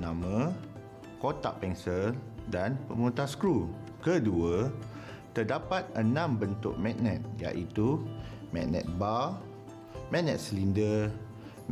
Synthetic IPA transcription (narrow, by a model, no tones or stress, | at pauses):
nãmə̃ | kot̪a̰ʔpɛŋsəldanpəmot̪askɾu | kəduə | t̪ərdapat̪̚ənãmbənt̪ʊ̰k̚mɛ̃ʔ̚nɛ̃t̪̚ja̰ʔit̪umɛ̰ʔnɛ̰̃t̪̚ba | mɛ̃ʔnɛt̪̚səlində